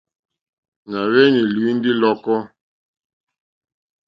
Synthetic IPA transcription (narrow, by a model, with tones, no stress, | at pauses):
na˨βɛ˦ni˨li˨˦n̩˦di˦lɔ˦kɔ˦